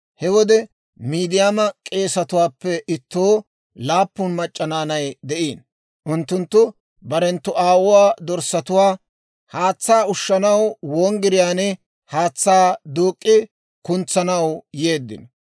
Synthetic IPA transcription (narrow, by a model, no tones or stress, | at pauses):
hɛwɔd̪ɛ | miːd̪ɪjaːmɐkʼe̞ːsɐt̪ʊwaːpːɛʔɪt̪ːo̞ː | laːpːʊnmɐt͡ʃʼːɐnaːnɐjd̪ɛʔiːn | ʔʊnt̪ːʊnt̪ːʊ | bɐɾɛnt̪ːʊʔaːwʊwaːd̪ɔɾsɐt̪ʊwaː | haːt͡sːaːʊʃːɐnɐwwoːŋɡɪɾɪjaːnɛ | haːt͡sːaːd̪uːkʼːɪ | kʊnt͡sːɐnɐwjeːd̪ːɪ̰n